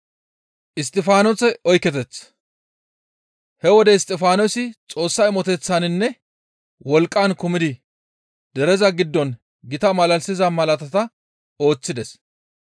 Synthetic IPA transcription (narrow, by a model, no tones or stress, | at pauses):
ʔɪst̪ʼːɪfaːnɔsɛɔjkːɛt̪ɛt͡sː | hɛwɔd̪ɛɪst̪ʼɪfaːnɔsɪt͡sʼo̞ːsːɐɪmɔt̪ɛt͡sːɐnɪnːɛ | wɔlkʼːaːnkʊmɪd̪ɪ | d̪̥ɛɾɛzɐɡɪd̪ːɔn | ɡɪt̪ɐmɐlɐlsɪzɐmɐlɐt̪ɐt̪ɐ | o̞ːt͡sːɪd̪ɛs